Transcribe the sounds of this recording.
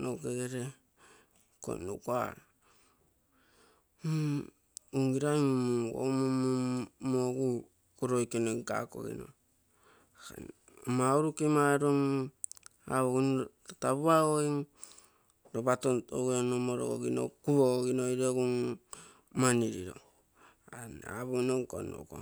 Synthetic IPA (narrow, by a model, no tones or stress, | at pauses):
noɡeɡeɾe | ko̰nukoa̰ɾa | uŋɡiɾaimumuŋɡo̰momumoɡu | kuɾojkenoka̰ko̰ɡḭno̰ | a̰ | mauɾukimaɾoŋ | a̰βoɡin | taβuaoiŋ | ɾobatonto̰ɡonomoɾo̰ɡo̰ɡino̰kuβoɡoɡinojɾoɡuŋ | maniɾiɾo̰ | ana̰βonoŋko̰no̰ko̰